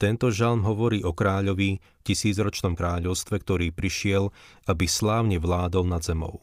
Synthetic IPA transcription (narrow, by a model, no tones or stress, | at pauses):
t̪ɛnt̪ɔʒalmɦɔʋɔɾiːʔɔkɾaːʎɔʋi | fcisiːd͡zɾɔt͡ʃnɔmkɾaːʎɔʊst̪ʋɛk̚t̪ɔɾiːpɾiʃɪɛlʔabislaːʊɲɛʋlaːd̪ɔlnad̪zɛmɔ̰ʊ